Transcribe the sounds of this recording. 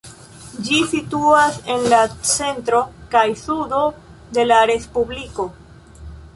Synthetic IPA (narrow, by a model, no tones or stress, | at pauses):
d͡ʒisituase̞nlat͡se̞ntɾo̞kajsudo̞ | de̞laɾe̞spubliko̞